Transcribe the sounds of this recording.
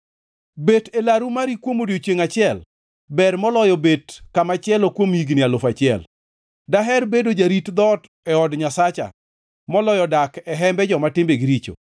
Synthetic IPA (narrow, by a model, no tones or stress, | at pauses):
betelaɾumaɾikwomodijot͡ʃjeŋat͡ʃɪɛl | bɛrmɔlɔjɔbetkamat͡ʃɪɛlokwomiɡnɪalʊfat͡ʃɪɛ̰l | daɦɛrbedod͡ʒaɾitd̪ɔt | ɛɔdɲasat͡ʃa̰ | mɔlɔjɔdakɛɦɛmbɛd͡ʒɔmatɪmbeɡiɾit͡ʃo̰